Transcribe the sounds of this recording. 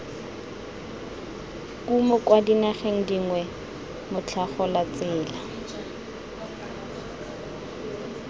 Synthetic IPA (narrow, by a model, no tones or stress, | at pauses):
kumɔkwadinaχeŋ̩diŋwɛ | mʊt͡ɬʰaχɔlat͡sɪːla